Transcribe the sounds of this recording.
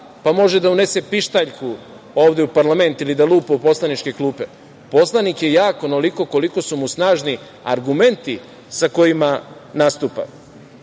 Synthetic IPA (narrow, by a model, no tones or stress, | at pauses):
pamo̞ʒe̞d̪aune̞se̞piʃt̪aʎkʰu | o̞ːʋd̪eupaɾlˠame̞nt̪ilid̪aluːpoupo̞slˠanit͡ʃke̞klˠuːpe̞ | po̞slˠanikjejaːko̞noliko̞ko̞liko̞sumusnaːʒni | aɾɡume̞nt̪i | sako̞jimanast̪upa̰